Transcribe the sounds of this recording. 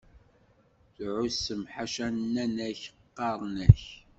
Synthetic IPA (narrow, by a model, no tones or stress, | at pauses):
θʕʊsəmħaʃænːænæçəqːɑɾˤnæç